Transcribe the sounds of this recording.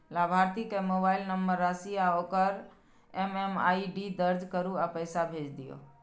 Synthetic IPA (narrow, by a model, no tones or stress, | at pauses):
laːbʱaːɾt̪ikemoːbaːɪlnəmbəɾːasiaokəɾ | emema̰ːiɖid̪əɾd͡ʒkəɾuapəjsabʱeːd͡ʒd̪ɪjo̰ː